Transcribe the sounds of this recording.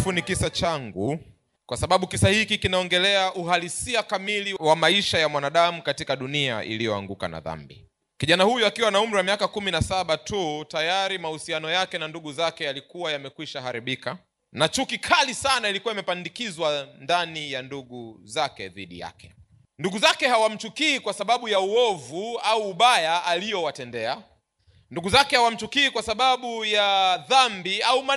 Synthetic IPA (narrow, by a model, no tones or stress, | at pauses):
funikisat͡ʃaŋɡu | kwasaɓaɓukisahikikinaɔŋɡɛlɛaʔuɦalisiakamiliwamaiʃajamwanaɗamukatikaɗunia̰ʔḭlijɔa̰ŋɡuka̰na̰ða̰mbḭ | kiʄanahujuakiwanaum̩ɾiwamiakakuminasaɓatutajaɾimahusianɔjakɛnanduɠuzakɛjalikuwajamɛkwiʃaɦaɾiɓika | nat͡ʃukikʰalisanailikuwaimɛpandikizwandanijanduɠuzakɛ̰ðḭɗḭja̰kɛ̥ | nduɠuzakɛhawam̩t͡ʃukiːkwasaɓaɓujauɔvuauːɓajaalijɔwatɛndɛa | nduɠuzakɛhawam̩t͡ʃukiːkwasaɓaɓujaðambiauma